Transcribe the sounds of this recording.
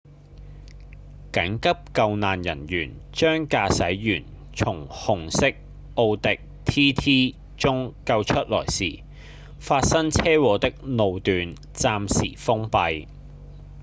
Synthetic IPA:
kɐ˨˥ŋkɐ˥p̚kɐ˧wnaː˨njɐ̰˨˩njyː˨˩nt͡ʃœː˥ŋkaː˧sɐ˨˥jjyː˨˩n | t͡sʰʊ˨˩ŋhʊ˨˩ŋsɪ˥k̚ | ʔo˧wt̪ɪ˨k̚t̪ʰiː˥t̪ʰiː˥ | t͡sʊ˥ŋkɐ˧wt͡ʃʰɵ˥t̚lɔ̰ː˨˩jsḭː˨˩ | faː˧t̚sɐ˥ŋt͡sʰɛː˥wɔː˨˧t̪ɪ˥k̚no˨˧wt̪yː˨˧n | t͡saː˧msḭː˨˩fʊ˥ŋpɐ˧j

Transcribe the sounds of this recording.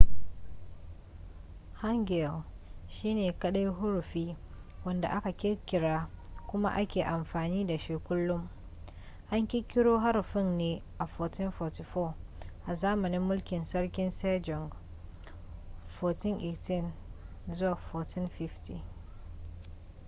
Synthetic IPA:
ha˦ŋɡɛ˨l | ʃiː˦neː˨kɐ˦ɗa˦jɦʊ˦ɽɸiː˦wɐ˦nda̰˨ʔa˦ka˨kʲɪ˦ɾkʲɪ˨ɽaː˦kʷʊ˦ma̰˦ʔa˦kʲeː˨ʔa˨mɸaː˨niː˦da˨ʃi˦kʷʊ˦lːʊ˦m | ʔa˦ŋkʲɪ˦kʲɪ˦ɽoː˦ɦa˦ɾɸɪ˦nneː˨ʔa˨fɔː˨tɪ˦nfɔː˨ti˨fɔː˦˨ʔa˨zaː˦mɐ˨nɪ˦mːʊ˦lkʲɪ˨nsɐ˦ɾkʲɪ˦nsɛː˦d͡ʒɔ˨ŋɡ | foː˨tɪ˦ŋʔeː˨tɪ˦˨nzʊ˦waː˨fɔː˨tʰɪ˦nfɪ˦fti˨

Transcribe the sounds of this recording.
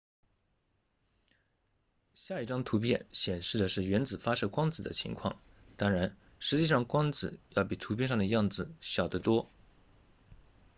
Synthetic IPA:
ɕja˥˧i˥˩ʈ͡ʂɑ˥ŋt̪ʰu˧˥pjɛ˥˩nɕjɛ˨˩nʂɻ̩˥˩d̪ə˩ʂɻ̩˥˩ɥɛ˧˥nt͡sɹ̩˨˩fa˥ʂɤ˥kwɑ˥ŋt͡sɹ̩˨˩d̪ə̰˦t͡ɕʰḭ˧˥ŋkʰwɑ̰˥˩ŋ | t̪ɑ˥ŋɻa˧˥n | ʂɻ̩˧˥t͡ɕi˥˧ʂɑ˥˩ŋkwɑ˥ŋt͡sɹ̩˨˩jɑ˥˩ʊpi˨˩t̪ʰu˧˥p̬ʰjɛ˥˧nʂ̬ɑ˥˩ŋd̪ə˩jɑ˥˩ŋd͡zɹ̩˨˩ɕjɑ˨˩ʊd̪ə˦t̪wɔ˥

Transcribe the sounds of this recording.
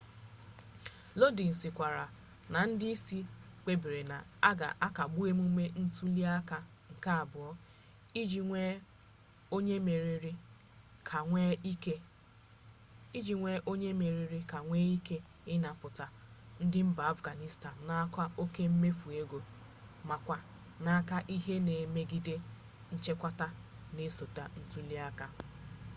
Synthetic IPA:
lo˦di˨n̩˨sɪ˨kʷa˨ɾa˨ | na˨n̩˦dɪ˦i˦si˦k͡pe˦bi˨ɾe˨na̰˨a˦ɡa̰˨ʔa˦ka˨ɡ͡bu˦e˦m˦u˦me˦n̩˦tu˦li˦a˦ka˦ | ŋ̩˨ka˦a˨bʊ˨ɔ˦ | i˦e˦ | o˦ɲe˦me˨ɾɾi˦˨˦ | e˦ | i˦d͡ʒi˨ŋʷe˦ʔo˦ɲe˦me˨ɾi˨ɾi˦ka˨ŋʷe˦i˦ke˦ | ɪ˦na˨pʊ˨ta˨n̩˦dɪ˦m̩˦ba˨a˦fɡa˨ni˦sta˨n̩˨na˦ka˦o˦ke˦m̩˦me˦fu˨e˦ɡʷo˨ | ma˨kʷa˦ | na˦ka˦ʔi˦ɦe˦ne˨me˦ɡi˦de˦ | n̩˦t͡ʃe˦kʷa˦ta˦ | ne˨so˨ta˨n̩˦zu˦li˦a˦ka˦

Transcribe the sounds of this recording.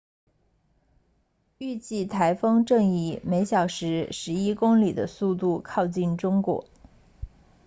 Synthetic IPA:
y˥˧t͡ɕi˥˩t̪ʰa˧˥ɪfɤ˥ŋʈ͡ʂɤ˥˧ŋi˧˨˩me˧˥ɪɕjɑ˨˩ʊʂɻ̩˧˥ʂɻ̩˧˥i˥kʊ˥ŋli˨˩d̪ə̰˦su˥˧t̪u˥˧kʰɑ˥˧ʊt͡ɕi˥˩nʈ͡ʂʊ˥ŋkwɔ̰˧˥˦

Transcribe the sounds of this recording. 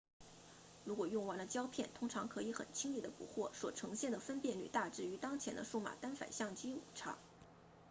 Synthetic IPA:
ɻu˧˥kwɔ˨˩jʊ˥˩ŋwa˧˥nd̪ə˧t͡ɕjɑ˥ʊpʰjɛ˥˩nt̪ʰʊ˥ŋʈ͡ʂʰɑ˧˥ŋkʰɤ˧˥i˧˥xə̰˨˩nt͡ɕʰi˥ŋli˥˩d̪ə˩pṵ˧˥xwɔ˥˩swɔ˨˩ʈ͡ʂʰɤ˧˥ŋɕjɛ˥˩nd̪ə˩fə˥npjɛ˥˩nly̰˨˩t̪a˥˧ʈ͡ʂɻ̩˥˩y˧˥t̪ɑ˥ŋt͡ɕʰjɛ˧˥nd̪ə̰˧ʂu˥˩ma̰˨˩t̪a˥nfa̰˨˩nɕjɑ˥˩ŋt͡ɕi˥u˨˩ʈ͡ʂʰɑ̰˧˥˩ŋ

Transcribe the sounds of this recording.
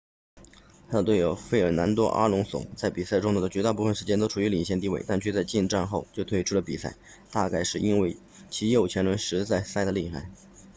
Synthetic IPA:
t̪ʰa˥ə˧t̪we˥˩o˨˩ʊfe˥˩ɪə˞˨˩na˧˥nt̪wɔ˥ʔa̰˥lʊ˧˥ŋsʊ̰˨˩˦ŋt͡sa˥˩ɪpi˨˩sa˥˩ɪʈ͡ʂʊ˥ŋu˥˩d̪ə˩t͡ɕɥɛ˧˥t̪a˥˧pu˥˩fə˩nʂɻ̩˧˥t͡ɕjɛ˥nt̪o˥ʊʈ͡ʂʰu˨˩y˧˥li˨˩ɕjɛ˥˧nt̪i˥˧we˥˩ɪt̪a˥˧nt͡ɕʰɥɛ˥˧t͡sa˧ɪt͡ɕi˥˧nʈ͡ʂa˥˧nxo˥˧ʊt͡ɕjo˥˧ʊt̪ʰwe˥ɪʈ͡ʂʰu˥lə˩pi˨˩sa̰˥˩ɪ | t̪a˥˧ka˥˧ɪʂɻ̩˥˩i˥nwe˥˩ɪ | t͡ɕʰi˧˥jo˥˩ʊt͡ɕʰjɛ˧˥nɻwə˧˥nʂɻ̩˧˥t͡sa˥˩ɪsa˥d̪ə˨li˥˩xa˧˥ɪ

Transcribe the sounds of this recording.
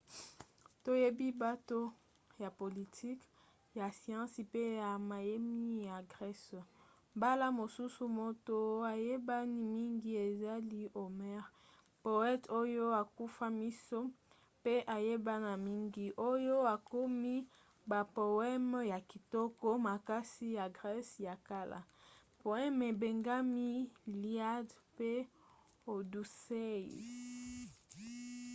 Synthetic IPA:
to˦je˦bi˦ba˦to˦ | ja˨po˨li˨tʰi˦k | ja˨sjã˦si˨pe˦ja˨ma˨je˦mi˦ja˨ɡʁɛ˦s | ba˦la˦mo˨su˦su˦mo˦to˦a˨je˦ba˦ni˦mi˦ŋɡi˦e˨za˦li˦ʔo˨mɛ˦ʁ | po˨ɛ˦to˦jo˦a˨ku˦fa˦mi˦so˦ | pe˦ʔa˨je˦ba˦na˨mi˦ŋɡi˦ʔo˦jo˦a˨ko˦mi˦ | ba˨po˨ɛ˦m˦ja˨ki˨tɔ˦kɔ˦ma˨ka˦si˦ja˨ɡʁɛ˦sja˨ka˦la̰˨po˨ɛ˦me˨be˨ŋɡa˦mi˦li˦a˦dpe˦ | o˨du˨se˦jḭ˨

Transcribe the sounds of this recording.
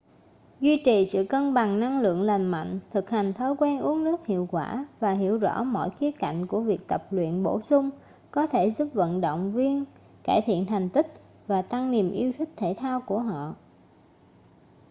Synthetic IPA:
zwi˧t͡ɕi˨˩sɨ̰˧˨kə˧nɓa˨˩ŋna˧ŋlɨ̰˧˨əŋla˨˩jŋma̰˧˨jŋ̟t̪ʰɨ˨˩k̚ha˨˩jŋ̟t̪ʰɔː˨˦jkwɛː˧nʔu˨˦əŋnɨ˦˥ək̚hḭ˧˨əwkwaː˧˩vaː˨˩ɦḭ˧˩əwzɔ̰˧˥mɔ̰˧˨jxi˨˦əka̰˧˨jŋ̟ku˧˩əvi˨˩ək̚t̪ə˨˩p̚lwḭ˧˨ənɓo˧˩sʊ˧ŋ͡m | kɔ˨˦t̪ʰe˧˩zu˦˥p̚və̰˧˨nɗo̰˧˨wŋ͡mvi˧ən | kaː˧˩jt̪ʰḭ˧˨ənt̪ʰa˨˩jŋ̟t̪ï˦˥k̚ | vaː˨˩t̪a˧ŋni˨˩əmʔi˧əwt̪ʰi˦˥k̚t̪ʰe˧˩t̪ʰaː˧wku˧˩əɦɔ̰˧˨

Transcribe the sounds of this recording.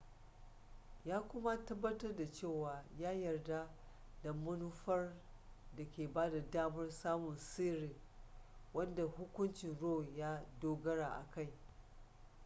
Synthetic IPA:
jaː˦kʷʊ˦ma˦tɐ˦bːɐ˦tɐ˦rda˨t͡ʃeː˦˨waː˨jaː˦jɐ˨rda˦ | dɐ˨mːɐ˦nu˦ɸɐ˦r | da˨kʲeː˨baː˦da˨daː˦mɐ˦rsaː˦mʊ˨nsiː˦ɾiː˨ | wɐ˦nda˨hʊ˦kʷʊ˦nt͡ʃɪ˨nɽoː˦˨jaː˦doː˦ɡɐ˦ɽaː˨ʔa̰˨ka˦˨j

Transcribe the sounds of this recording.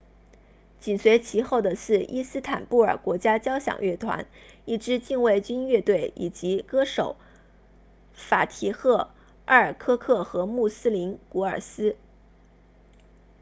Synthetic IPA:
t͡ɕi˨˩nswe˧˥ɪt͡ɕʰi˧˥xo˥˩ʊd̪ə˩ʂɻ̩˥˩ʔi˥sɹ̩˥t̪ʰa˨˩npu˥˩ə˞˨˩kwɔ˧˥t͡ɕja˥t͡ɕjɑ˥ʊɕjɑ̰˨˩ŋɥɛ˥˩t̪ʰwa̰˧˥ni˥˩ʈ͡ʂɻ̩˥t͡ɕi˥˧nwe˥˩ɪt͡ɕy˥nɥɛ˥˧t̪we˥˩ɪi˨˩t͡ɕi˧˥kɤ˥ʂo˨˩˦ʊ | fa˨˩t̪ʰi˧˥xɤ˥˩ | ə˥˩ə˞˨˩kʰɤ˥kʰɤ˥˩xɤ˧˥mu˥˩sɹ̩˥li˧˥nku˧˥ə˞˨˩sɹ̩˥

